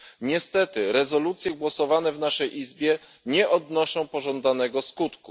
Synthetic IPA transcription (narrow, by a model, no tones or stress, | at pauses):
ɲɛst̪ɛt̪ɘɾɛzɔlut̪sʲjɛɡwɔsɔvanɛvnaʂɛjʔizbʲjɛ | ɲɛʔɔd̪nɔʂɔ̃w̃pɔʐɔnd̪anɛɡɔskut̪ku